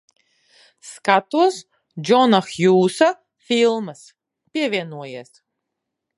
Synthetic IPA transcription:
skat̪uɔs | d͡ʒɔnaxjuːsa | fʲilˠmɨs | pʲiɛvʲiɛnuɔjiːs

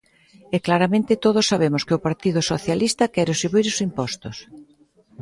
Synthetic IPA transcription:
ɛklaɾamẽnt̪ɪt̪oð̞ʊsːaβemʊskɪʊpaɾt̪iðʊsoθjalist̪ɐkɛɾʊsiβiɾʊsimpɔst̪ʊs

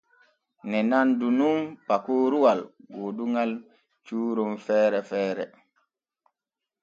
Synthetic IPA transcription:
nɛnandunumpakoːɾuwalɡoːduŋal | t͡ʃuːɾɔmfɛːɾɛfɛːɾɛ

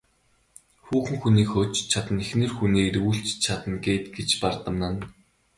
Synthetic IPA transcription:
xuːxɘ̆ŋxuniːkxʊːt͡ɕt͡ɕʰat̪ə̆nexnĕːrxuniːɾuːɬt͡ɕt͡ɕʰat̪ə̆nɡeːt̪ɡet͡ɕpart̪ə̆mnə̆n

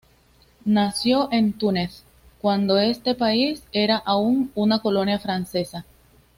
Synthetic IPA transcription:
nasjo̞ʔent̪uneθ | kwand̪o̞e̞st̪e̞paise̞ɾaʔauŋunako̞lo̞njafɾanse̞sa

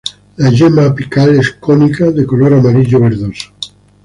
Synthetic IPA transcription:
laʝemapikaleskonikaðekoloɾamaɾiʎoβeɾðosḁ

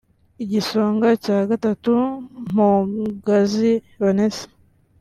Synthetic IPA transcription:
iɟiso̞ːŋɡacaːɡatatum̥uɡazi | βonese̥

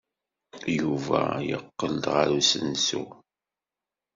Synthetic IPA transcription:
juvæjə̰qːəld̪ʁəɾusənsu

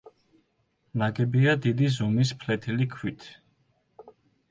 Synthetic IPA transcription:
naɡɛbiad̪id̪izumispʰlɛt̪ʰilikʰwit̪ʰ

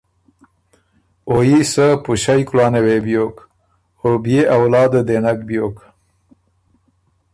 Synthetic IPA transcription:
ojisəpuɕajklɑːnewebjok | obijeawlɑːd̪əd̪enakbjoːk

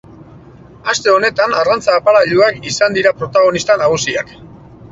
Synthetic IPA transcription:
ast̪e̞o̞ne̞t̪anarant͡saːpaɾaʎuakisand̪iɾapɾo̞t̪aɣ̞o̞nist̪anaɣ̞usiak

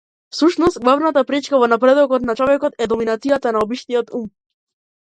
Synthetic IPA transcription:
fsuʃnɔst̪̚ɡlˠavnat̪apɾit͡ʃkavɔnapɾɛd̪ɔkɔt̪̚nat͡ʃɔvɛkɔt̪ɛd̪ɔminat̪sijat̪anaɔbiʃt̪ijɔt̪um

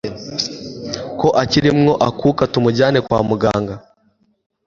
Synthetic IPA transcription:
ko̞ʔaciɾimŋo̞ʔakuːkatumuɟaːne̞kwa̰ːmuɡa̰ːŋɡa

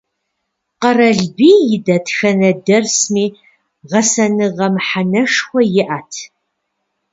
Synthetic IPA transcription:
qɐrɐɮbiːjɪdɐtʰxɐnɐdɐrsmiː | ʁɐsɐnɨʁɐmħanɐʂxʷɔjɪʔaːtʰ

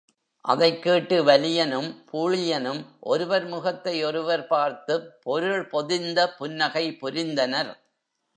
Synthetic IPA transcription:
ʔɐ̰ðɐɪkːeːʈːɯʋɐlɪjɐnɯmpʰuːɻɪjɐnɯmʔɔɾɯʋɐɾmʊɣɐt̪ːɐɪɔɾɯʋɐɾpaːɾt̪ɯppːɔɾɯɭpɔðɪnd̪ɐpʊnːɐɣɐɪpʊɾɪnd̪ɐnɐɾ

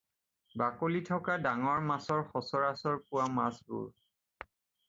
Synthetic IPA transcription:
bakolitʰɔkadaŋɔɹmasɔɹxɔsɔɹasɔɹpʊwamasbʊ̰ɹ

